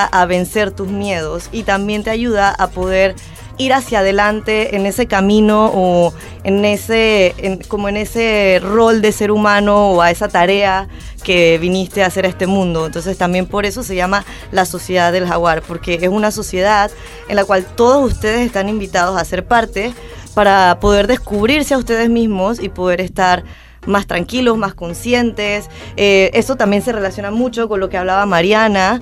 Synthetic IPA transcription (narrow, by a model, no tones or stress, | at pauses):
aʔaβe̞nse̞ɾt̪uzmje̞ð̞o̞sit̪ambje̞nt̪eaʝuð̞aʔapo̞ð̞e̞ɾ | iɾasjað̞e̞lant̪e̞ːne̞se̞kamĩno̞o | enesenko̞moene̞sero̞ld̪e̞se̞ɾumãno̞ːae̞sat̪aɾe̞a | ke̞βinist̪e̞ase̞ɾest̪e̞mũnd̪o̞ent̪o̞ns̬e̞st̪ambje̞mpo̞ɾe̞s̬o̞se̞ʝama | laso̞sjeðaðːe̞lxaɣwaɾpo̞ɾke̞esunaso̞sje̞ð̞að | enlakwalt̪o̞ð̞o̞sust̪e̞ð̞e̞sest̪animbit̪að̞o̞sase̞ɾpaɾt̪e̞ | paɾapo̞ð̞e̞ɾðe̞skuβɾiɾseaust̪e̞ð̞e̞zmizmo̞sipo̞ðe̞ɾe̞st̪aɾ | mast̪ɾaŋkilo̞zmasko̞nsje̞nt̪e̞s | eʔe̞so̞t̪ambje̞nse̞re̞lasjo̞namut͡ʃo̞ko̞nlo̞ke̞aβ̞laβamaɾjana